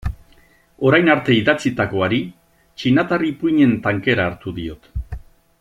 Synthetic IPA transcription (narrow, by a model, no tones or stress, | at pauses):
o̞ɾajnaɾt̪e̞iðat͡sit̪ako̞aɾi | t͡ʃinat̪aripuɲe̞nt̪aŋke̞ɾaːɾt̪uðio̞t̪